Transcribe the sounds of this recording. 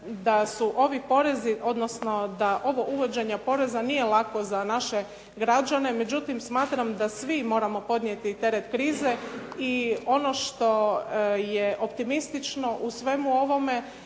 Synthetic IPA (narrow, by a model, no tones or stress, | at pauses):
d̪asuʔo̞ʋipo̞ɾe̞ziʔo̞d̪nosno̞d̪aʔo̞ʋoʔuʋo̞d͡ʑeɲapo̞ɾe̞zanije̞lˠako̞zanaʃe̞ | ɡɾad͡ʑane̞me̞d͡ʑut̪imsmaːt̪ɾamd̪asʋimo̞ːɾamo̞po̞d̪nijet̪it̪e̞ɾet̪kɾiːze̞io̞no̞ʃt̪o̞jeʔo̞p̚t̪imist̪it͡ʃno̞ʔusʋe̞muo̞ʋo̞me̞